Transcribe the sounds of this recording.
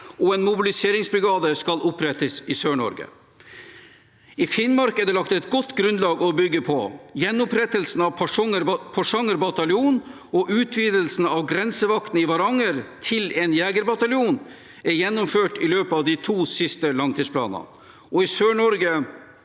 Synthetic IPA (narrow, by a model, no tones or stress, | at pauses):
ʔɔɛnmʊbɪlɪseːɾɪŋsbɾɪɡɑːd̪əskɑlʊpɾɛt̪əsɪsøːɳɔ̰ɾɡə̰ | ɪfɪnmɑɾkæɖɛlɑkt̪ɛt̪ɡɔt̪ːɡɾʉnlɑːɡɔbʏɡːəpʰɔ̰jɛnːʊpɾɛt̪əlsn̩ɑʋpʰəpʰɔʂɑŋəɾbɑt̪ɑlɪuːn | ɔʔʉːt̪ʰʋiːd̪əlsn̩ɑʋɡɾɛnsəʋɑkt̪n̩ɪʋɑɾɑŋəɾt̪ʰɪlɛnjæːɡəɾbɑt̪ɑljuːn | æɾjɛnːʊmføːʈɪløːpəɑʋd̪ɪt̪ʰuːsɪst̪əlɑŋt̪ʰiːspʰlɑ̰ːnə̰n | ɔɪsøːɳɔɾɡə